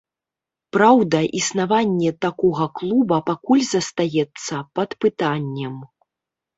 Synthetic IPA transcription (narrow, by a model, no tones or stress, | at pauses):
pɾawd̪ɐʔisnavanʲːɛt̪akɔɣɐklˠubɐpakulʲzɐst̪ajɛt̪sːɐpɐt̪pɨt̪anʲːɐm